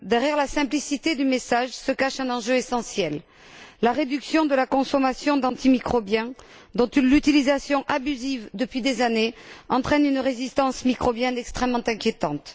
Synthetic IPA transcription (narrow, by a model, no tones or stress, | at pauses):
d̪ɛʁjɛʁlasɛ̃plisit̪ed̪ymesaʒsəkaʃɛ̃nɑ̃ʒøesɑ̃sjɛlː | aʁed̪yksjɔ̃d̪əlakɔ̃sɔmasjɔ̃d̪ɑ̃t̪imikχɔbjɛ̃d̪ɔ̃t̪ynlyt̪ilizasjɔ̃ʔabyzivd̪əpɥid̪ezaneɑ̃t̪χɛnynʁezist̪ɑ̃smikχɔbjɛnɛkst̪χɛmmːɑ̃t̪ɛ̃kʲjet̪ɑ̃t̪